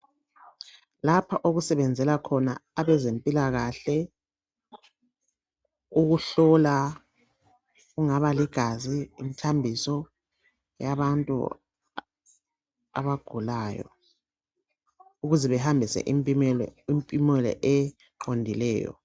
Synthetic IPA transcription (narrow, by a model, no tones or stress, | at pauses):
lapʰaʔoɣusɛβɛnd͡zʱɛlakʰɔna̰aβɛzempʼilaɣaɬɛ | uɣuɬɔla | ɣuŋaβaliɡ̥ʱazḭːmitʰambʱisɔ | jaβantʼṵ | a̰βaɡ̥ʱulaːjɔ̰ | uɣuzɛβɛhambʱisɛ̰ʔmʼlimpʼimwɛlɛ̰ʔɛ | ǃondʱilɛ̰ːjɔ̰